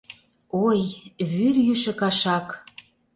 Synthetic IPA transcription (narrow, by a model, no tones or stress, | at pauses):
ojβyrjyʃə̆kɑʃɑk